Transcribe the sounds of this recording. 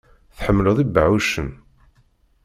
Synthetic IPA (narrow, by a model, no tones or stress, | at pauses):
θħəmːləðˤibːəʕuʃən